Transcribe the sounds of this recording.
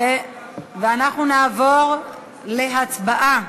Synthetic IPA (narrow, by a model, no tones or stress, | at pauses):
e | veanaχnunaːvo̞ʁ | le̞ɦat͡sbaʔa